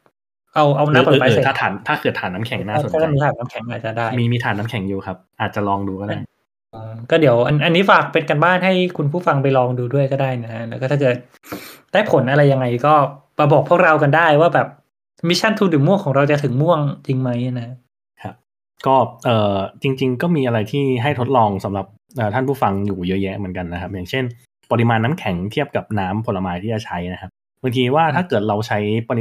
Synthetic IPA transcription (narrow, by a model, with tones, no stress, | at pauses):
ʔa˧wʔa˧wna˦˥˧pːaː˧se˨t̪ʰa˥˩t̪ʰaː˨˩˦nt̪ʰaː˥˩kʰɤː˨˩t̪ʰːaː˩˦nːaː˦˥mkʰɛ˨˦˩ŋnaː˥˩sʰa˥˩a˧˩miː˧t̪ʰaː˩˦na˦˥mkʰɛ˩˦ŋʔaː˨˩t̪̚t͡ɕa˨˩daː˥˩jmiː˧miː˧t̪ʰaː˩˦nːa˦˥ŋkʰɛ˩˦ŋjuː˨˩kʰa˦˥p̚ʔaː˨˩t̪̚t͡ɕa˨˩lɔː˧ŋduː˧kɔː˥˩daː˥˩j | ʔɤ˧kɔː˥˩di˨˩˦əwʔa˧nʔa˧nːiː˦˥faː˨˩k̚pe˧nka˧nbaː˥˩nɦa˥˩jkʰu˧npʰuː˥˩fa˧ŋpa˧jlɔː˧ŋduː˧du˥˩əjkɔː˥˩daː˥˩jna˦˥kʰa˦˥lɛ˦˥wkɔː˥˩a˥˩kɤ˨˩t̪̚ | d̥aː˥˩jpʰo˩˦nʔa˧ɾa˧jːa˧ŋːa˧jkɔː˥˩ma˧bɔː˨˩k̚pʰu˥˩ək̚ɾa˧wka˧ndaː˥˩jwaː˥˩bɛː˨˩p̚ | mi˦˧˥t͡ɕʰa˥˩nt̪ʰuː˧˥dɯː˩˦mu˥˩əŋkʰɔː˩˦ŋɾa˧wt͡ɕa˨˩t̪ʰɯ˨˩˦ŋmu˥˩əŋt͡ɕi˧ŋma˦˥jna˦kʰa˥ | kʰa˦˥p̚ | kɔː˥˩ʔɤː˨˩t͡ɕi˧ŋt͡ɕi˧ŋkɔː˥˩miː˧ʔa˧ɾa˧jt̪ʰiː˥˩ɦa˥˩jt̪ʰo˦˥t̪̚lɔː˧ŋsa˩˦mɾa˨˩p̚ | ʔɤː˨˩t̪ʰa˥˩npʰu˥˩fa˧ŋjuː˨˩jɤ˦˥jɛ˦˥mɯ˩˦nka˧nːa˦˥kʰa˦˥p̚jaː˨˩ŋt͡ɕʰe˥˩n | pa˧ɾi˧maː˧nːaː˦˥mkʰɛ˩˦ŋt̪ʰi˥˩əp̚ka˨˩p̚naː˦˥mpʰo˩˦la˧maː˧jt̪ʰiː˥˩a˨˩t͡ɕʰa˦˥jna˦˥kʰa˦˥p̚ | ba˧ŋt̪ʰiː˧waː˥˩t̪ʰaː˥˩kɤː˨˩t̪̚ɾa˧wt͡ɕʰa˦˥jpa˧ɾi˧